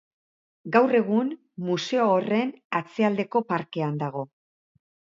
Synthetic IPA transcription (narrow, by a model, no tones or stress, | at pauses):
ɡawre̞ɣ̞un | muse̞oːre̞nat͡se̞ald̪e̞ko̞paɾke̞and̪aɣ̞o̞